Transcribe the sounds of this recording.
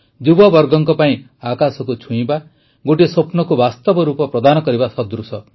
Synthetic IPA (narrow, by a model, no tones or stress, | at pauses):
d͡ʒubɔbɔɾɡɔŋkɔpaĩ | akasɔkut͡ʃʰuĩba | ɡoʈ̬isopnɔkubast̪ɔbɔɾupɔpɾɔd̪anɔkɔɾibasɔd̪ɾusɔ